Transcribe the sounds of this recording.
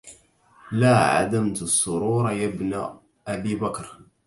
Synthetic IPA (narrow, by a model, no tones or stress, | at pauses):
laːʕa̰d̪amt̪sˤːʊɾuːɾˤɑjabn | ʔabiːbakɾˤ